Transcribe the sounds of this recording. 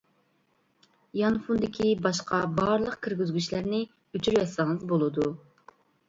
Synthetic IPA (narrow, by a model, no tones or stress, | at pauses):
jɑnfund̪ɪkʲʰibɑʃqʰɑbɑɾlˠəqkʲʰɪɾɡʲyzɡʲyʃlæɾnɪ | øt͡ʃʰyɾjɑsɑŋɨzbolˠɨd̪u